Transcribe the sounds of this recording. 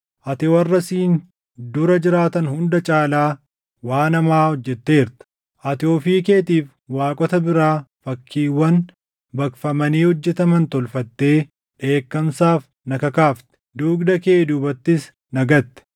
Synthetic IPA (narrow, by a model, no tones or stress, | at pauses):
ʔɐt̪ɛwɐrːɐsiːn | d̪ʊɾɐd͡ʒɪɾaːt̪ɐnhʊnd̪ɐt͡ʃʼaːlaː | waːnɐmaːhɔd͡ʒːɛt̪ːe̞ːɪɾt̪ɐ̥ | ʔɐt̪ɪoːfiːkeːt̪iːf | waːkʼɔt̪ɐbɪɾaːfɐkʰːiːwːɐn | bɐkfɐmɐniːhɔd͡ʒːɛt̪ɐmɐnt̪ɔlfɐt̪ːe̞ː | ᶑe̞ːkːɐmsaːf | nɐkɐkaːft̪ɛ̥d̪uːɡd̪ɐke̞ːd̪uːbɐt̪ːɪs | nɐɡɐt̪ːɛ̥